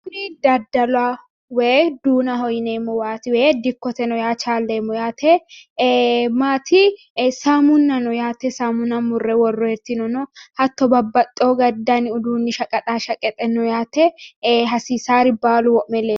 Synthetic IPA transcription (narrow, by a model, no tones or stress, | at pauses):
kʊnid̪ɐd̪ːɐlʊa | wɛd̪uːnɐɦɔjɪneːmːɔwaːt̪ɪwɛd̪ɪkːɔt̪ɛnɔjaːt͡ʃaːlːeːmːɔjaːt̪ʰɛ | maːt̪ʰɪ | samʊnːɐnɔjaːt̪ɛsamʊnɐmʊrːɛwɔrːɔɛɾt̪ɪnɔnɔhɐt̪ːɔbɐbːɐt̪ʼːoːɡɐd̪ːanɪʊd̪uːnːɪʃɐkʼɐt̪ʼaːʃɐkʼːɛt̪ʼːɛnɔjaːt̪ɛɦɐsiːsaːɾɪbaːlʊwɔʔmɛleː